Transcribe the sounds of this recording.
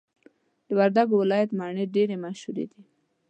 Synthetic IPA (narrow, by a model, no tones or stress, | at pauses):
d̪əwaɾd̪aɡowɪlɑjat̪mɑɳeɖeɾemaʃhuɾḛd̪i